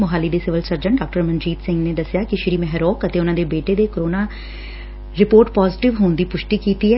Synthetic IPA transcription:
mʊɦaːliːd̪eːsɪʋəlsəɾd͡ʒəɳɖaːk̚ʈəɾmənd͡ʒiːt̪sɪ̃ŋɡneːd̪əsɪjaːkɪʃɪɾiːmɛɦɾoːkət̪eːʊnãːd̪eːbeːʈeːd̪eːkəɾoːnaː | ɾɪpoːɾʈpaːzɪʈɪʋɦoːnd̪iːpʊʃʈiːkiːt̪iːɦɛː

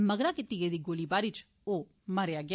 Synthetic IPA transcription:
məɡɾaːkɪt̪iːɡed̪iːɡoːliːbaːɾiːt͡ʃ | oː | məɾejaːɡɪ

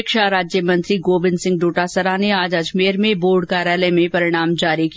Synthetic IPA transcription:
kʃaɾaːd͡ʒjəmɐ̃nt̪ɾiɡoːbɪnsɪ̃ŋɡ̚ɖoːʈasəɾaneaːd͡ʒɐd͡ʒmeːɾmẽboːɾɖkaːɾjaːləmẽpɐɾɪɽ̃aːmd͡ʒaːɾiki

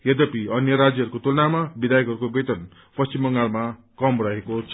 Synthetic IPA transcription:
jʌd̪ʌpiʌnjʌɾad͡zjʌɦʌɾukot̪ulʌnamabid̪ajʌkɦʌɾukobʌt̪ʌn | pʌst͡ɕimbʌŋɡalma | kʌmrʌɦekot͡sʰʌ

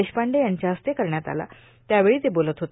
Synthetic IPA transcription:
eɕpaɳɖejaɲt͡ɕjaəst̪ekəɾɳjat̪a̰la̰ | t̪jaʋeɭiːd͡z̪ebolət̪ɦot̪

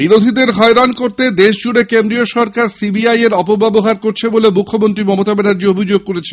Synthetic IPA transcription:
biɾod̪ʱid̪eɾɦɔeɾankoɾt̪ed̪eʃd͡ʑuɽekend̪ɾioʃɔɾkaɾsibiajeɾɔpobɛboɦaɾkoɾt͡ɕʰebolemukʰːomont̪ɾimɔmot̪abɛnaɾd͡ʑiobʱid͡ʑoɡ̚koɾet͡ɕʰe

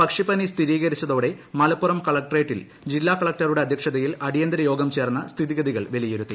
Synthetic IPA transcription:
pɐkʂipɐnist̪ʰiɾiːɣɐɾit͡ɕːɐðo̞ːɽe̞mɐlɐpːurɐmkɐɭɐk̚ʈɐreːʈːil | d͡ʑilːaːkɐɭɐk̚ʈɐruɽe̞ɐd̪ʱjɐkʂɐðɐjilɐɽijɐnd̪ɐɾɐjo̞ːɡɐmt͡ɕe̞ːrnːɐst̪ʰiðiɣɐðiɣɐɭʋelijeɾut̪ːi

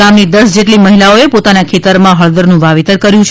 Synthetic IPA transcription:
amnid̪əsd͡ʒeʈliməɦilaoepot̪anakʰet̪əɾmãɦəɭd̪əɾnũʋaʋit̪əɾkəɾjũt͡ʃʰ

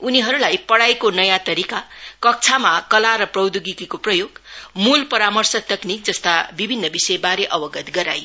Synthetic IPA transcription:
uniɦʌɾulajpʌɽajkonʌjãt̪ʌɾikakʌk̚t͡sʰamakʌlaɾʌprʌwd̪uɡikikoprʌjoɡmulpʌɾamʌrsʌt̪ʌknik̚d͡zʌst̪abibʱinːʌbisʌjebaɾeʔʌbʌɡʌt̪ɡʌɾa̰j

